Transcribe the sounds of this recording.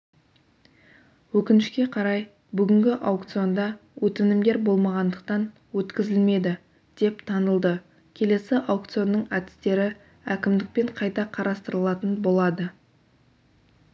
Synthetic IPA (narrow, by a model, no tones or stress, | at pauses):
wɵkʲɪnɪʃkʲe̞qʰɑɾɑj | bʏɡʲɪŋɡʲɪʔawkt̪sijo̞nd̪ɑwɵt̪ɪnɪmd̪e̞ɾbo̞lˠmɑʁɑnd̪əq̚t̪ɑn | wɵt̪kʲɪzɪlme̞d̪ɪ | d̪̥e̞pt̪ʰɑnəlˠd̪ə | kʲʰe̞le̞sɪʔawk̚t̪sɨjonːəɴæd̪ɪ̥st̪e̞ɾɪ | ækʲɪmd̪ɪk̚pe̞ɴqʰɑjt̪ɑqʰɑɾɑst̪əɾəlˠɑt̪ənbo̞lˠɑd̪ə